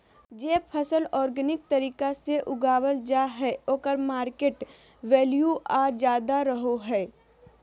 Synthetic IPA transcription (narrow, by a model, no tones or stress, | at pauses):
d͡ʒeːpʰəsəlɔːɾɡənɪk̚t̪ɐɾiːkaseʔʊɡaːwəld͡ʒaɦɛoːkəɾmaːɾkeːʈ | ʋeːljuʔaːd͡ʒjaːd̪aɾəɦoɦɛː